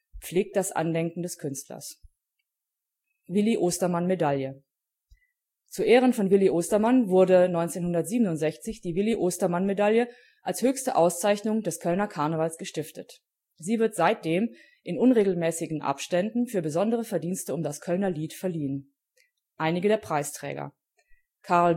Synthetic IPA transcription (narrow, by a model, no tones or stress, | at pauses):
p͡fleːk̚t̚d̥asʔa̰ndɛŋkŋ̩dɛskʰʏnstlɐ̰s | vɪliʔoːstɐmanmedaljə | t͡suɐʔeːʁ̞ənfɔnvɪliʔoːstɐmanvʊɐdənɔʏnt͡seːnhʊndɐtz̥iːbənʊntz̥ɛçt͡sɪçd̥iːvɪliʔoːstɐmanmedaljə | ʔalshøːçstəʔaʊst͡saɪçnʊŋdɛskʰœlnɐkʰaɐnəvalsɡ̥əʃtɪftət | z̥iːvɪɐtz̥aɪt̚d̥eːm | ʔɪnʊnʁeːɡl̩mɛːsɪɡŋ̩ʔa̰pʃtɛndn̩fyːɐbəzɔndəʁəfɛɐdiːnstəʊmdaskʰœlnɐliːtfɛɐliːən | ʔaɪnɪɡədeːɐpʁ̥aɪstʁ̥ɛ̰ːɡɐ̰ | kʰaɐl